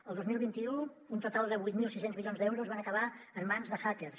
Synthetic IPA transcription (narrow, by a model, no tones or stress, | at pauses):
əlˠd̪ozmilˠβint̪iu | unt̪ut̪alˠd̪əβujt̪milˠsisenzmilionzðɛwɾuzβanəkəβ̞aəmːanzðəxakers